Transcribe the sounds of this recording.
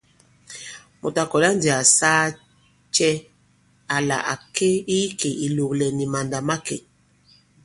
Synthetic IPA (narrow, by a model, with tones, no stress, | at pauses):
mo̰˨ta˨kɔ˨la˦n˦di˨a˨saː˦ | t͡ʃɛ˦ | a˨la̰˨ʔa˨ke˦i˦ke˨ʔi˨lo˨klɛ˨ni˨ma˨nda˨ma˦kɛ̰˨